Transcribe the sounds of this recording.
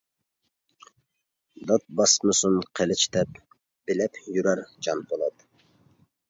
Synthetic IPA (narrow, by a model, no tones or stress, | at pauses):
d̪ɑt̪̚bɑsmɨsunqʰelɪt͡ʃt̪ɛp | b̥ɪlɛpjyɾæɾd͡ʒɑnbolˠɑt̪